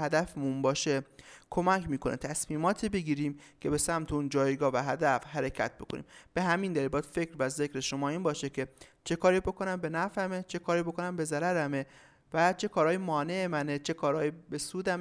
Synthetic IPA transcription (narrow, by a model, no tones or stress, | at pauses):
hæd̪æfmunbɒːʃekʰo̞mæcʰmiːkʰonʔet̪ʰæsmiːmɒːt̪ʰiːbe̞ɡiːɾiːmcʰe̞be̞sæmt̪ʰeund͡ʒɒːjɡɒːvæɦæd̪æfɦæɾe̞cʰæ̰t̪̚ʰbo̞kʰo̞nʔḭːmb̥e̞hæmiːnd̪æɾiːbɒːd̪̥fe̞cɾvæze̞kɾe̞ʃo̞mɒːiːnbɒːʃecʰe̞t͡ʃʰe̞kʰɒːɾiːbo̞ko̞næmbe̞næfæmet͡ʃʰe̞kʰɒːɾiːbo̞ko̞næmbe̞zæɾæɾæme | væt͡ʃʰe̞kʰɒːɾɒːjimɒːne̞ʔemænet͡ʃʰe̞kʰɒːɾɒːjibe̞suːd̪æ